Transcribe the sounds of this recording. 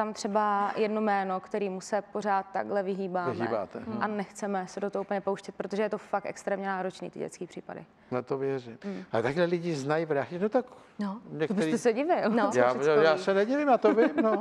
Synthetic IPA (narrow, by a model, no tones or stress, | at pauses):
t̪amt̪r̝̥ɛbajɛdnomɛːnokt̪ɛɾiːmusɛpor̝aːt̪ːaɡɦlɛvɪɦiːbaːvɪɦḭba̰ːt̪ɛ̰ʔanɛxt͡sɛmɛsɛdot̪ooupəɲɛpowʃcɛt̪̚pɾot̪o̞ʒɛjɛt̪ofak̚t̪ʔɛ̰kst̪ɾɛːmɲɛnaːɾot͡ʃnḭːt̪ɪ̰ɟɛ̰t͡skiːpr̝̥iːpa̰dɪ̰ | nat̪ovjɛrɪmalɛt̪aɡɦlɛlɪɟɪznajivɾaːɪnot̪ak | noɲɛk̪otbɪɛɾiɛsɛɟɪvɪlnojaːɛjaːsɛnɛɟɪvɪmjaːt̪ovɪmno